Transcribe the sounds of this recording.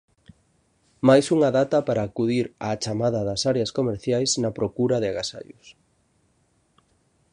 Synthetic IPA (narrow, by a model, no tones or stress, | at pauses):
majsuŋɐðat̪ɐpaɾaːkuðiɾa̰ːt͡ʃamaðɐðɐsaɾeɐskomeɾθjajsnɐpɾokuɾɐðɪaɣasa̰jʊ̰s